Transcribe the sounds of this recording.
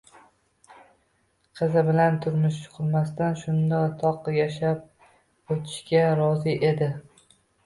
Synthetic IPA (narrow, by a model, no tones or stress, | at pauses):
qʰɨzɪbɪlant̪ʰʊɾmʊʃt͡ʃʰʊ̥qʰɨlˠmast̪anʃʊnd̪at̪ʰɒqjaʃap̚ | ot̪ʰɪ̥ʃkʲaɾɒzɪʔe̞d̪ɪ